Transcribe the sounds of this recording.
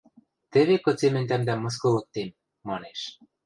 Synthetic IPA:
t̪ɘ̆βekɤ̆t͡semɘ̆nʲd̪æmd̪æmɤ̆s̬kɤ̆lɤ̆k̚t̪emː | ɑneʃ

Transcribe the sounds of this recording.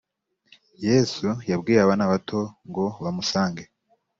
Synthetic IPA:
je̞ːsujabɡiːɾaβanaβatʰo̞ŋɡo̞βamusaːŋɡe

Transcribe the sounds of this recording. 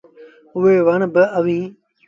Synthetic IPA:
ʊɦeːʋəɳbɪəʋĩː

